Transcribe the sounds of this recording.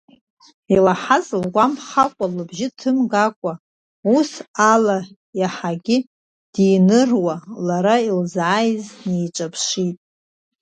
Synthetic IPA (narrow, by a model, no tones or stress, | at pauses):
ilaħazlɡʷamχakʷʼalɨbʒɪtʰɨmɡakʷʼa | usala | jaħaɡʲɪ | d̥inɨrwalaɾailzajznejt͡ʃʷʼapʰʂitʼ